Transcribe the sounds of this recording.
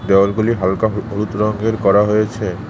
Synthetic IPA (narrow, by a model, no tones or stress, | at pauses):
d̪ealɡuliɦalkaɦoɾut̪ɾɔŋɡeɾkɔɾaɦojet͡ɕʰe